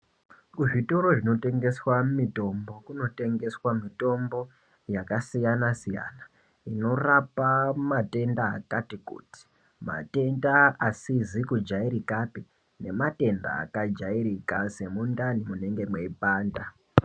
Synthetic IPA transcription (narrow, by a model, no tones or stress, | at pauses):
kuʐitoɾo̞ʐino̞te̞ŋɡe̞swamito̞mbo̞kuno̞te̞ŋɡe̞swamito̞mbo̞ | jakasijanasija̰na | ino̞rapamate̞nda̰ːkatikṵːti̥ | ma̰te̞ndaasizikud͡ʒaiɾikapi | ne̞mate̞nda̰ːkad͡ʒaiɾikase̞mundanimune̞ŋɡe̞mwe̞ipaːnda